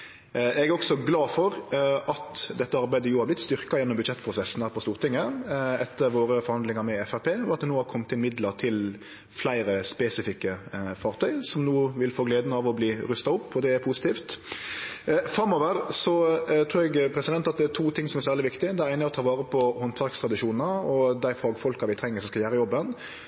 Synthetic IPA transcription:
ʔɛɡæɾɔksɔɡlɑːfɔɾʔɑt̪d̪ɛt̪ːəɑɾbæɪd̪əjuːhɑɾblɪt̪st̪ʏɾkɑjɛnːɔmbʉd̪ʃɛt̪ːpʰɾʊsɛsːn̩hæːɾpʰɔst̪uːɾt̪ʰɪŋːəɛt̪ʰːəɾʋoːɾəfɔɾhɑnd̪lɪŋɑɾmɛɛfæɾpʰeːɔɑt̪̚d̪ɛnuːhɑɾkʰɔmt̪ɪlmɪd̪ləɾt̪ʰɪl | flæɪɾəspɛsɪfɪkːəfɑːʁt̪ʰœʏsɔmnuːʋɪlfoːɡleːd̪nəɑʋɔbliːɾʉst̪ɑʊpːɔd̪ɛæɾpʰusɪt̪iːft̪ | fɾɑmoːʋəɾsɔt̪ʰɾʉːɾɛɡpʰɾɛsɪd̪ɛnt̪ɑt̪̚d̪ɛæt̪ʰuːt̪ʰɪŋsɔmɛɾsæːʁlɪʋɪkt̪ɪd̪æɪɾæɪnəɔt̪ʰɑːʋɑːɾəpʰɔhɔnt̪ʰʋɑɾkst̪ɾɑd̪ɪʃuːnnəɔd̪æɪfɑːɡfɔlkɑʋɪt̪ʰɾɛŋːəɾsɔmskɑljæːɾəjɔbːən

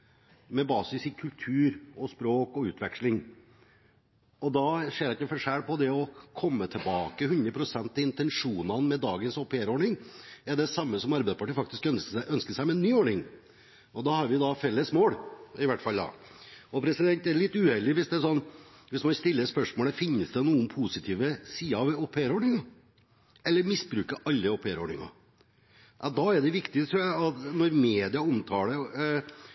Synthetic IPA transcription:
mɛbɑːsɪsɪkʰʉlt̪ʰʉːɾɔspɾoːkɔʉːt̪ʰʋɛkʂlɪŋ | ɔd̪ɑʂeːɾɪkːəfɔʂæːɽpɔd̪ɛɔkʰɔmːət̪ʰɛbɑːkəɦʉnd̪ɾəpʰɾʊsɛnt̪ɑɪnt̪ɛnʂuːnɑnmɛd̪ɑːɡənsɔpːeːɾoːɳɪŋɛɖɛsɑmːəsɔmɑɾbɛɪspʰɑʈiɾfɑk̚t̪ɪskœnsʔœnskəsæɪmɛnːyːɔːɳɪŋ | ɔd̪ɑːhɑɾʋɪd̪ɑfɛlːəsmoːɽɪʋæʈfɑld̪ɑ̰ | ɔpʰɾɛsɪd̪ɛnt̪æɾɭɪt̪ːʉːɛlːɪʋɪsd̪ɛsɔnː | ʋɪsmɑnst̪ɪlːəspœʂmoːləfɪnːəsd̪ɛnuːənpʰusɪt̪ʰiːʋəsiːɑɑʋopʰeɾɔːɳɪŋɑ | ɛlːəɾmɪsbɾʉːkəʔɑlːəopʰeːɾɔ̰ɳɪ̰ŋɑ̰ | ʔɑd̪ɑɛɖɛʋɪkt̪ɪət̪ɾuːjæɪɑt̪nɔɾmeːd̪ɪɑɔmt̪ʰɑːlə

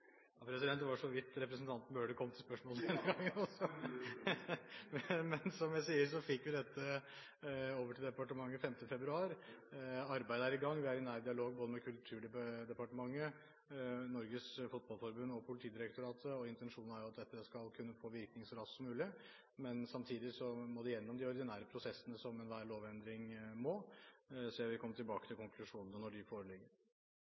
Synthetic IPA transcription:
ɑpʰɾɛsɪd̪ɛnt̪ːʋɑʂɔʋɪt̪ːɾɛpɾəsn̩t̪ʰɑnt̪møːɖəkʰɔmt̪ʰɪlspœʂmoːləd̪ɛnəɡɑŋːənɔsɔ | mɛnsɔmjæɪsiːəɾʂɔfɪkːʋɪd̪ɛt̪ːə | oːʋəʈʰɪld̪ɛpɑʈəmɑŋːəfɛmt̪əəfɛbɾʉɑːɾ | ɑɾbæɪd̪əæɾɪɡɑŋːʋɪæɾɪnæːɾd̪ɪɑloːɡ̚boːd̪əmɛkʰʉlt̪ʰʉːɖɛd̪ɛpɑʈəmɑŋːə | nɔɾɡəsfʊt̪̚bɑlfɔɾbʉnːɔpʰʊlɪt̪ʰiːd̪ɪɾɛk̚t̪ʊɾɑːt̪ʰəɔɪnt̪ɛnʂuːnn̩æɾjʊɑt̪̚d̪ɛt̪ːəskɑlkʰʉnːəfoːʋɪɾknɪŋsɔɾɑssɔmʉːlɪ | mɛnsɑmt̪ʰiːd̪ɪsɔmɔd̪ɛjɛnːɔmd̪ɪɔɾd̪ɪnæːɾəpʰɾʊsɛsːənəsɔmɛnʋæːɭoːʋɛnd̪ɾɪŋmoː | seːʋɪkʰɔmːət̪ʈʰɪlbɑːkət̪ʰɪlkʰʊŋkʰlʉʂuːnnənɔɖɪfoːɾəlɪɡːəɾ

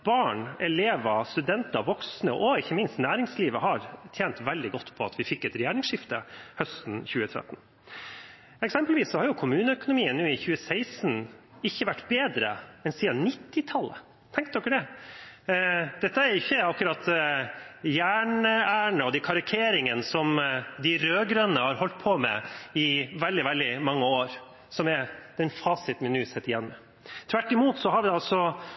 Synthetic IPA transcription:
b̥ɑːɳɛleːʋɑst̪ʉd̪ɛnt̪ɑʋʋɔksnəʔɔɪçːəmɪnst̪næːɾɪŋsliːʋəɦɑɾt̪ʰjeːnt̪ʋɛld̪ɪɡɔt̪ːpʰɔɑt̪ʰʋɪfɪkːɛt̪ɾɛjæːɳɪŋsʂɪft̪ə̰hœst̪n̩çʉːət̪ʰɾɛ̰t̪ːn̩ | ɛksɛmpəlʋiːssɔhɑɾjʊkʰʊmʉːnəœkʊnʊmiːənʉːɪçʉːəsæɪsn | ɪçːəʋæʈːbeːd̪ɾə̰ɛnsiːɑnɪt̪ːɪt̪ʰɑlːə̰ | t̪ʰɛŋkt̪̚d̪ɔkːəd̪ɛ | d̪̥ɛt̪ːəæɾɪçːəɑkʉɾɑt̪ː | jæːɳəæːɳəɔd̪ɪkʰɑɾɪkʰeːɾɪŋənsɔmd̪ɪɾøːɡɾœnːəhɑɾhɔlt̪̚pʰɔmɛ̰ɪʋɛld̪ɪʋɛld̪ɪmɑŋːəoːɾ | sɔmɛd̪̥ɛnfɑːsɪt̪mɪnʉːsɛt̪ːɪjɛnmə | t̪ʰʋæʈːɪmuːt̪sɔɦɑɾʋɪd̪ɛɑlsɔ

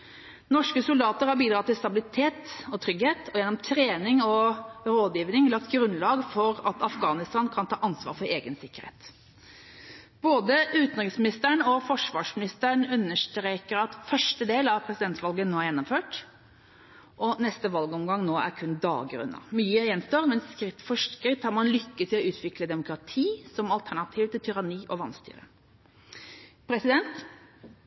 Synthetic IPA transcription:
nɔʂkəsʊld̪ɑːt̪əɾhɑɾbiːd̪ɾɑːt̪ɪlst̪ɑbɪlɪt̪ʰeːt̪ɔt̪ʰɾʏɡheːt̪ʰɔjɛnːɔmt̪ʰɾeːnɪŋɔɾoːd̪jiːʋnɪŋlɑk̚t̪ɡɾʉnlɑːɡfɔɾɑt̪ɑfɡɑːnɪst̪ɑːnkʰɑnt̪ʰɑːʔɑnsʋɑ̰ːɾfɔɾeːɡənsɪkːəɾhḛːt̪ | b̥oːd̪əʉːt̪n̩ɾʁɪsmɪnɪst̪əɳɔfɔʂʋɑːʂmɪnɪst̪əəɳʉnːəʂt̪ɾeːkəɾɑt̪fœʂʈəd̪eːlɑʋpʰɾɛsɪd̪ɛnt̪ʋɑlɡənoːɾjɛnːɔmføːʈ | ʔɔnɛst̪əʋɑlɡəɔmɡɑŋnoːʔæ̰ɾkʰʉnd̪ɑ̰ːɡɾʉ̰nə̰myːəjɛnst̪oːɾmɛnskɾɪt̪ːfɔʂskɾɪt̪ːhɑɾmɑnlʏkːət̪ʰɪlɔʉːt̪ʰʋɪkləd̪ɛmʊkɾɑt̪ʰiːsɔmɑlt̪ʰæɳɑt̪ʰiːʋt̪ʰɪlt̪ʰʏɾɑniːʔɔʋɑnst̪y̰ːɾə̰ | pʰɾɛsɪd̪ɛnt̪

